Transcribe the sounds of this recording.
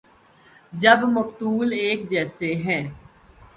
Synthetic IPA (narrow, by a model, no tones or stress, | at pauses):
d͡ʒəbmʊkt̪uːleːk̚d͡ʒɛːseɦɛ̃ː